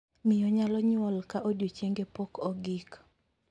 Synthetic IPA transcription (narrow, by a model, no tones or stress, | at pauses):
mɪjɔɲalɔɲwɔlkaʔodjot͡ʃeŋɡepɔkʰɔɡik